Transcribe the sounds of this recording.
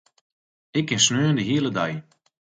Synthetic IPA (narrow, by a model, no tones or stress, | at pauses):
ɪkːɪnsnøːəndəɦiələdaj